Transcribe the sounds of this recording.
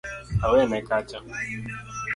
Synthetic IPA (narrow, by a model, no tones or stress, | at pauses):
aweamekat͡ʃa